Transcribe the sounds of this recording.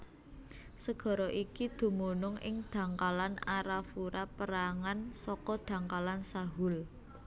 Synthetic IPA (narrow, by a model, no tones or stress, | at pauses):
səɡ̥ɔ̤ɾɔʔikid̪̥ṳmonʊŋɪ̰ŋd̪̥ä̤ŋkalanaɾafuɾapəɾaŋansɔkɔd̪̥ä̤ŋkalansaɦʊl